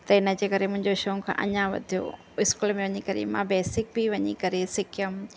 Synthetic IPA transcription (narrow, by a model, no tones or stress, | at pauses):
t̪ɐɪnə̆d͡ʑeːkɐɾemʊ̃ɦɪ̃ɲd͡ʑoʃɐːũkʰã̰ːʔɐ̰ɲaʋɐ̰d̪ʱijo̰ | ɪskuːlmẽʋɐɲikɐɾḛmã̰beːsɪk̚biʋɐɲikɐɾesɪkʰjəm